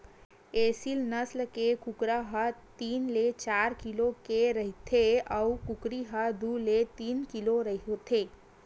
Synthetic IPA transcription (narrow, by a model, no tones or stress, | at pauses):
eːsilnəslkekʊkɾaɦət̪iːnlet͡ʃaːɾkilokeɾəɦit̪ʰeəukukɾiɦəd̪ulet̪iːnkiloɾəɦot̪ʰeː